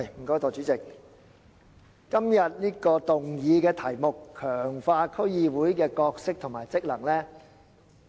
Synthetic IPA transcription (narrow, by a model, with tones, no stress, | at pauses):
jm̩˨˩kɔː˨˥t̪ɔː˨˩t͡ʃyː˨˥t͡sɪ˨k̚ | ɐ˥mjɐ˨t̚niː˥kɔː˧t̪ʊ˨ŋjiː˨˧kɛː˧t̪ʰɐ˨˩jmʊ˨kʰːœː˨˩ŋfaː˧kʰɵ˥ɥjiː˧wuː˨˥jkɛː˧kɔː˧k̚sɪ˥k̚t̪ʰʊ˨˩ŋmaː˨˩jt͡sɪ˥k̚lɐ˨˩ŋlɛː˥